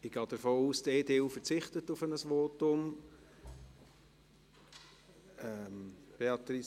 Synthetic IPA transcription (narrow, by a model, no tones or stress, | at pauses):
ɪɡ̥ɑːd̥əɾfoːuːsdeːdeːufəɾt͡sɪχtətːʊfənəsʋoːtʊm | ɛmb̥eɑtɾi